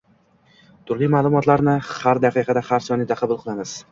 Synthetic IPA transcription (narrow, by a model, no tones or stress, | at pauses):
t̪ʰʊɾlijmaːlˠʊmɒt̪laɾnɪhaɾd̪ɑqʰɨqʰɑd̪ahaɾsɒnɪd̪aqʰɑbʊlˠqʰɨlˠamɪz̥